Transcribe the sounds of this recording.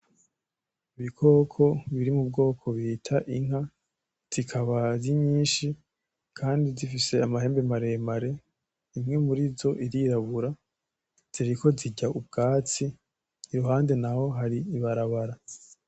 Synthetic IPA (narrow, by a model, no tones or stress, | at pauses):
iβikʰo̞ːkʰo̞βiɾimub̚ɡo̞ːkʰo̞βitʰaʔiŋ̥ha | z̥ikʰaβaziɲiːnʃi | kʰaːndizifise̞amaɦe̞ːmbemaɾe̞maɾe̞ | imŋe̞muɾizo̞ʔiɾiɾaβuɾa | z̥iɾiko̞ziɟaub̚ɡaːt͡siː | ɾuɦaːnde̞naho̞ɦaɾiːβaɾaβaɾa